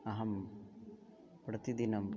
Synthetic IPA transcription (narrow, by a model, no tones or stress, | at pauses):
ɐɦɐm | pɾɐt̪id̪inɐm